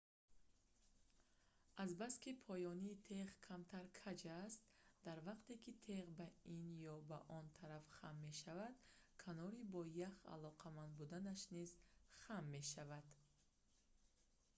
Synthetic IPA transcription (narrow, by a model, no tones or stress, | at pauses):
azbaskipʰɔjɔniːt̪ʰeʁkʰamt̪ʰaɾkʰad͡ʒast̪d̪aɾvaqt̪e̞kit̪ʰe̞ʁbainjɔbaʔɔnt̪ʰaɾafχamːe̞ʃavad̪̥kʰanɔɾibɔjaχa̰lɔqʰamand̪bud̪anaʃnizχamːe̞ʃavad̪̥